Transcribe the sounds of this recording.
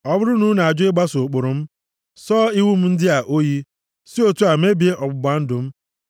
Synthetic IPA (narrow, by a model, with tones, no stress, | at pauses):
ɔ˦bʊ˦ɾʊ˦nu˦na˨a˨d͡ʒʊ˦ɪ˦ɡ͡ba˦so˨k͡pʊ˨ɾʊ˨m̩˦ | sɔː˦i˦wu˦m̩˦n̩˦dɪ˦a˨ʔo˦ji˦ | si˦o˦tu˦a˨m̩e˦bi˨e˦ʔɔ˨ɡ͡bʊ˨ba˨˦n̩˦dʊ˨m̩˦